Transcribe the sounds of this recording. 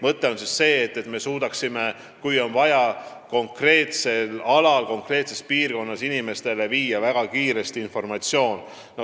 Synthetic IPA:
mɤt̪ːˑe̞o̞nsisːe̞ːt̪ːe̞t̪me̞suːd̪̥ɑksime̞ | kujo̞nvɑjɑ | ko̞ŋkre̞ːt̪se̞lɑlɑlko̞ŋkre̞ːt̪se̞spiːrko̞nːɑsinime̞st̪e̞le̞viːjɑvæɡ̥ɑkiːɾe̞st̪iinfo̞rmɑt̪sjo̞ːn | no

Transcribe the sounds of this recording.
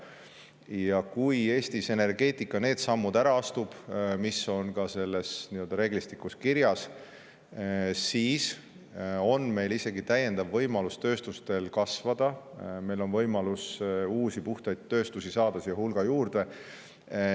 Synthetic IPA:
jɑkuje̞ːst̪ise̞ne̞rɡe̞ːt̪ˑikːˑɑne̞ːd̪̥sɑmːud̪æɾɑɑst̪ub̥misːo̞nkɑse̞lːe̞sniøld̪ɑɾe̞ːɡ̥list̪ikːˑuskiɾjɑs | siːs | o̞nme̞jlise̞ɡit̪æjːe̞nd̪̥ɑvːɤjmɑlust̪øːst̪ust̪e̞lkɑsvɑd̪̥ɑme̞jlo̞nvɤjmɑlusuːsipuht̪ɑjd̪ːø̞ːst̪usisɑːd̪̥ɑsjɑhulɡ̥ɑjuːrd̪e̞

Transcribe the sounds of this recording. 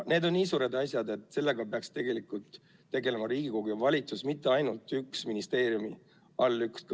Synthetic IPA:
ne̞ːd̪o̞nːiːsuːɾe̞d̪ɑsjɑd̪e̞t̪ːˑse̞lːe̞ɡ̥ɑpeɑkst̪e̞ɡ̥e̞likˑult̪ː | e̞ɡe̞le̞mɑɾiːɡ̥ikoɡ̥ujɑvɑlʲit̪susmit̪ːˑe̞ɑjnult̪ːˑyksminist̪e̞ːɾjumi | ɑlːyksk

